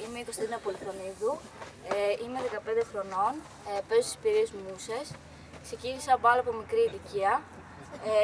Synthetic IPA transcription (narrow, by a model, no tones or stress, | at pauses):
imeiko̞st̪eɾinɐpo̞liθoniðu | eime̞ðe̞kɐpe̞nd̪e̞xɾo̞no̞n | pe̞zost̪i̥spiɾiezmuse̞s | kse̞ciniseɐpoɐloɐpo̞mikɾiːliciɐ